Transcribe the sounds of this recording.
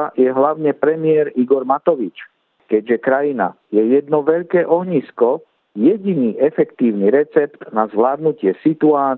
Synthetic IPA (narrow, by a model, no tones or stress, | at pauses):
jɛɦlaʊɲɛpɾɛmɪɛɾiɡɔɾmat̪ɔʋit͡ʃ | kɛɟʒɛkɾajina̰ | jɛjɛd̪nɔʋɛʎkɛːʔɔɦɲiskɔ | jɛɟiniːʔɛfɛkt̪iːʊniɾɛt͡sɛpt̪nazʋlaːd̪nucɪɛsit̪uaː